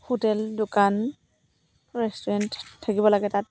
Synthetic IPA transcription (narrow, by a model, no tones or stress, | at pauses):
hotɛldʊkan | ɹɛstɔɹɛnttʰːakibɔlaɡɛtat̚